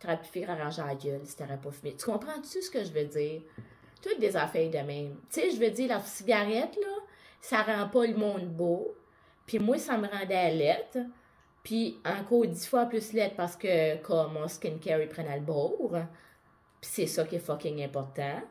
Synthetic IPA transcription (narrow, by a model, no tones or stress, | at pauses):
t̪ʁapi̥fiʁaʁɑ̃ːʒaɡɛlse̥t̪aʁɛpɔfinit̪y̥kɔ̃ːpχãt͡sysə̥kəʒvɛd͡ziːʁ | t̪ʊt̪̚d̪ezafɛd̪əmɛ̃ɪmt͡seʒəvɛd͡ziːʁlaʁsiɡʲaʁɛt̪lɔsaʁɑ̃pɔləmɔ̃ːd̪bo | pimwasaməʁɑ̃d̪ɛalɛt̪ | pʰiɑ̃kɔːʁd̪d͡z̪ifwaplʏslɛt̪̚paʁsə̥kəkʰɔmɔ̃skʲɪnkʲɛɹipʁɛnalbɔːʁ | pi̥sɛsʌkʲefɔkʲɪŋɛ̃pɔʁt̪ã